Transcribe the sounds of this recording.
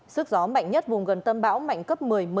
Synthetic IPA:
sɨ˦˥k̚zɔ˨˦ma̰˧˨jŋ̟ɲə˦˥t̚vʊ˨˩ŋ͡mɣə˨˩nt̪ə˧mɓa̰ː˧˥wma̰˧˨jŋ̟kə˦˥p̚mɨ˨˩əjm˨˩

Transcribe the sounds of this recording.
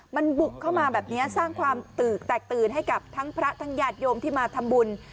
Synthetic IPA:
ma˧nbu˨˩kʰːa˥˩wmaː˧bɛː˨˩p̚ni˦˥ɐsaː˥˩ŋkʰwaː˧mt̪ɯː˨˩k̚t̪ɛː˨˩k̚t̪ɯː˨˩nɦa˥˩jka˨˩p̚t̪ʰa˦˥ŋpʰɾa˦˥t̪ʰa˦˥ŋjaː˧˩t̪̚jo˧mt̪ʰiː˥˩maː˧t̪ʰa˧mbu˧n

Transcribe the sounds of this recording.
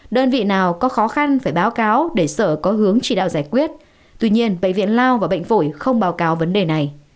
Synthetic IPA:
ɗəː˧nvḭ˧˨naː˨˩wkɔ˨˦xɔ˨˦xa˧nfaː˧˩jɓaː˨˦wkaː˨˦wɗe˧˩səː˧˩kɔ˨˦ɦɨ˨˦əŋt͡ɕi˧˩ɗa̰ː˧˨zaː˧˩jkwi˦˥ət̚ | t̪wi˧ɲi˧ənɓə̰˧˨ŋ̟vḭ˧˨ənlaː˧wvaː˨˩ɓə̰˧˨ŋ̟fo˧˩jxə˧wŋ͡mɓaː˨˦wkaː˨˦wvə˨˦nɗe˨˩na˨˩j

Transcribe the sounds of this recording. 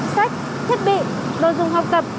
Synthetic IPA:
sa˦˥jk̟̚ | t̪ʰji˦˥t̚ɓḭ˧˨ | lo̰˧˨jzʊ̰˨ŋ͡mɦa˨˩wk͡p̚t̪ə˨˩p̚

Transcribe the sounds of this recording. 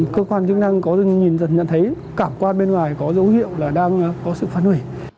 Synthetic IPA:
kəː˧kwaː˧nt͡ɕɨ˦ək̚na˧ŋkɔ˨˦zɨ˨˩ŋɲi˨˩nzə̰˧˨nɲə̰˧˨nt̪ʰə˨˦j | kaː˧˩mkwaː˧nɓe˧nŋwaː˨˩jkɔ˨˦zə˨˦whḭ˧˨əwlaː˨˩ɗaː˧ŋː˨˧kɔ˨˦sɨ̰˧˨faː˧nhwi˧˩j

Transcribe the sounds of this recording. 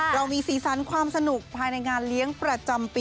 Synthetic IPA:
ɾa˧wmiː˧siː˩˦sa˩˦nkʰwaː˧msa˧nu˨˩k̚pʰːaː˧jna˧jŋaː˧nli˦˥əŋpɾa˧t͡ɕa˧mpː

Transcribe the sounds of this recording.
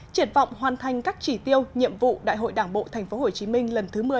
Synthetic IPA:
t͡ɕi˧˩ənvɔ̰˧˨wŋ͡mɦwaː˨˩nt̪ʰa˨˩jŋ̟kaː˦˥k̚t͡ɕi˧˩t̪i˧əwɲḭ˧˨əmvṵ˧˨ɗa̰ː˧˨jɦo̰˧˨jɗaː˧˩ŋɓo̰˧˨t̪ʰa˨˩jŋ̟fo˨˦ɦo˨˩t͡ɕi˨˦mï˧ŋ̟lə˨˩nt̪ʰɨ˨˦mɨ˨˩ə

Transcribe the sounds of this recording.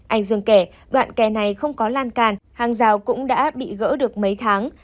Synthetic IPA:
ʔa˧˩jŋ̟zɨ˨˩ŋke˧˩ | ɗwa̰ː˧˨nkɛ˨˩na˨˩jxə˧wŋ͡mkɔ˨˦laː˧nkaː˨˩nhaː˨˩ŋzaː˨˩wkʊ̰˧˥ŋ͡mɗa̰ː˧˥ɓḭ˧˨ɣə̰ː˧˥ɗɨ˨˩ək̚mə˨˦jt̪ʰaː˨˦ŋ

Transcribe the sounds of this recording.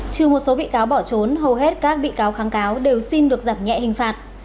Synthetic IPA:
t͡ɕɨ˨˧˩əmo˨˩t̚so˨˦ɓḭ˧˨kaː˨˦wɓɔ˧˩t͡ɕo˨˦nɦə˨˩wɦe˦˥t̚kaː˦˥k̚ɓḭ˧˨kaː˨˦wxaː˨˦ŋkaː˨˦wɗe˨˩wsi˧nɗɨ˨˩ək̚zaː˧˩mɲɛ̰˧˨hï˨˩ŋ̟faː˨˩t̚

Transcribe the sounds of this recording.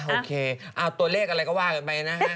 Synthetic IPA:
ʔoː˧kʰeː˧ʔaː˧˩t̪u˧leː˥˩k̚ʔa˧ɾa˧jkɔ˥˩waː˥˩ka˧˩npa˧˩jna˦˥

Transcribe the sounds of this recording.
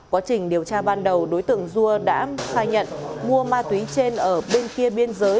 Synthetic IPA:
kwaː˨˦t͡ɕï˨˩ŋ̟ɗi˨˩əwt͡ɕaː˧ɓaː˧nɗə˨˩wɗo˨˦jt̪ɨ̰˧˨əŋzu˧əɗa̰ː˧˥xaː˧˩jɲə̰˧˨nmu˧əmaː˧t̪wi˨˦t͡ɕe˧nʔəː˧˩ɓe˧nki˧əɓi˧ənzəː˨˦j

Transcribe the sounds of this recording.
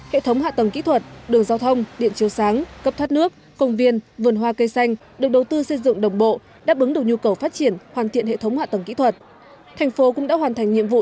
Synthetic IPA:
hḛ˧˨t̪ʰə˨˦wŋ͡mha̰˧˨t̪ə˨˩ŋkḭ˧˥t̪ʰwə˨˩t̚ɗɨ˨˩əŋzaː˧wt̪ʰə˧wŋ͡mɗḭ˧˨ənt͡ɕi˨˦əwsaː˨˦ŋkə˦˥p̚t̪ʰwaː˦˥t̚nɨ˦˥ək̚ːə˧wŋ͡mvi˧ənvɨ˨˩ənwaː˧kə˧jsa˧jŋ̟ | ɗɨ˨˩ək̚ɗə˨˩wt̪ɨ˧sə˧jzɨ̰˧˨ŋɗə˨˩wŋ͡mɓo̰˧˨ | ɗa̰ː˧˥ɓɨ˨˦ŋnɗɨ˨˩ək̚ɲu˧kə˨˩wfaː˦˥t̚t͡ɕi˧˩ənhwaː˨˩nt̪ʰḭ˧˨ənhḛ˧˨t̪ʰwŋ͡mha̰ː˧˨t̪ə˨˩ŋkḭ˧˥t̪ʰwə˨˩t̚ | t̪ʰa˨˩jŋ̟fo˨˦kʊ̰˧˥ŋ͡mɗa̰ː˧˥hwaː˨˩nt̪ʰa˨˩jŋ̟ɲḭ˧əmvṵ˧˨

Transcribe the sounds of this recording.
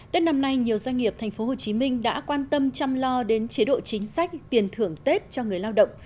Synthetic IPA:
t̪e˦˥t̚na˧mna˧jɲi˨˩əwzwa˧jŋ̟ŋi˨˩əp̚t̪ʰɛ˨˩ŋ̟fo˨˦ɦho˨˩t͡ɕi˨˦mï˧ŋ̟ɗa̰ː˧˥kwaː˧nt̪ə˧mt͡ɕa˧mlɔ˧ɗe˨˦nt͡ɕe˨˦ɗo̰˧˨t͡ɕï˨˦ŋ̟sa˦˥jk̟̚t̪i˨˩ənt̪ʰɨ˨˧˩əŋt̪e˦˥t̚t͡ɕɔ˧ŋɨ˨˩əjlaː˧wɗə̰˧˨wŋ͡m

